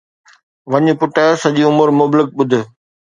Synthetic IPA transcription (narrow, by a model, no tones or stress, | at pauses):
ʋɐɲʊ̆pʊʈəsɐʄiʊmʊɾmʊblɪk̚ɓʊd̪ʱʊ̆